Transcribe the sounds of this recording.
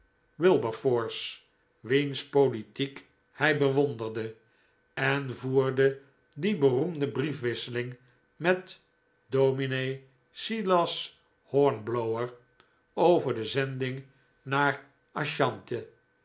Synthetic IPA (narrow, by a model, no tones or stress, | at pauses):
wɪlˠbəfɔːɹs | ʋinspolitik | hɛjbəʋondərdə | ɛnvuːɹdə | dibərumdəbrifʋɪsəlɪŋ | mɛt | dowminej | silɑs | hɔɹnblowəɹ | owvəɹdəzɛndɪŋ | naːɹ | ɑʃɑntə